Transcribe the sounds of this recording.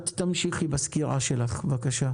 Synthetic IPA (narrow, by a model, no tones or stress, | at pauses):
t̪tːamʃiχibaskiʁa̰ʃelaχvakaʃa